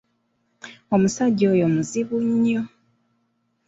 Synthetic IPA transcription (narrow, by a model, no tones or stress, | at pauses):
omusaɟojomuziβuɲːo